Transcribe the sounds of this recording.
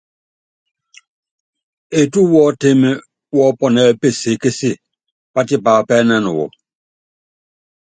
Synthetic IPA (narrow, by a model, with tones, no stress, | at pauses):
e˨tu˦wɔ˦te˦me˦ | wɔ˦pɔ˦˨nɛ˨˦˨pe˦˨se˨˦ke˦si˦˨ | pa˦ti˦pa˨pɛː˦nɛ˦nṵ˨wɔ̰˨